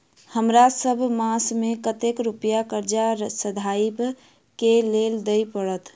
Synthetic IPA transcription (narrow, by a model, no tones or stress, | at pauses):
həmɾasəbʱmasmekət̪ekɾupjakəɾd͡ʒasəd̪ʱaib | keleld̪əjpəɽət̪